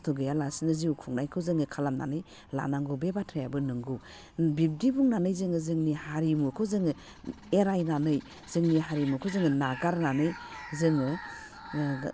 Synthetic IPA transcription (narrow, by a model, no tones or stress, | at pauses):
tʰɔɡɯjalasinɯziukʰuŋnajkʰɯwzɯŋɯkʰalamna̰nɯj | la̰naŋɡɯbebatʰajabɯnɯŋɡɯ | bip̚dibuŋnanɯjzɯŋɯzɯŋnihaɾimukʰɯzɯŋɯ | eɾajnanɯj | z̥ɯŋniɦaɾimukʰɔzɯŋɯnaɡaɾnanɯjzɯŋɯ